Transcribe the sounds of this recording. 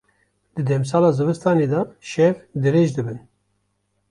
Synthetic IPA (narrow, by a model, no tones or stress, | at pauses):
d̪̥ɨd̪ɛms̬ɑːlɑːzɨvɨst̪ɑːned̪ɑʃɛvd̪ɨɾeːʒd̪ɨbɨn